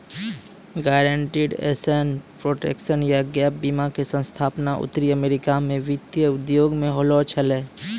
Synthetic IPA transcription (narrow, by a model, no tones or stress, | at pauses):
ɡaːɾə̃ɳʈiɖḛːsenpɾoːʈḛːkʃənjaɡɛːp̚biːmakesə̃nst̪ʰaːpnaʔʊ̰t̪ɾiəmeːɾɪkamẽʋɪt̪jəʊd̪joːɡmẽɦoːlɔt͡ʃʰɐleː